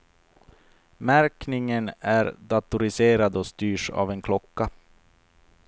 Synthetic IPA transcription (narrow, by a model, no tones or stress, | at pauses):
mæɾknɪŋənæɾd̪at̪ʊɾɪseːɾad̪ɔst̪yːʂa̰vɛnkʰlɔkːa